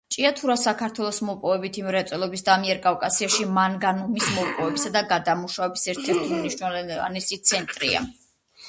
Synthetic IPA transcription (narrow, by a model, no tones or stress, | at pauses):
t͡ʃʼiat̪ʰuɾasakʰaɾt̪ʰwɛlˠɔsmɔpʼɔvɛbit̪ʰimɾɛt̪sʼɛlˠɔbisd̪amiɛɾkʼavkʼasiaʃimanɡanumismɔpʼɔvɛbisad̪aɡad̪amuʃavɛbisɛɾt̪ʰɛɾt̪ʰimniʃnɛla̰nɛsit̪sʰɛnt̪ʼɾḭa̰